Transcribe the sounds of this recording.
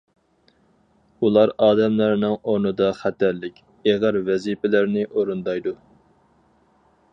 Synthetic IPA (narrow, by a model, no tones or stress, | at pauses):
ulˠɑɾɑːd̪ɛmlæɾnɨŋoɾnɨd̪ɑχæt̪æɾlɪkʲ | eʁəɾvɛzipɪlæɾnɪʔoɾund̪ɑjd̪u